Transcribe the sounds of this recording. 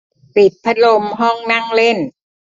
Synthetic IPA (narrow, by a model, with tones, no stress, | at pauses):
pi˨˩t̪̚pʰa˦˥lo˧mɦɔ˥˩ŋna˥˩ŋle˥˩n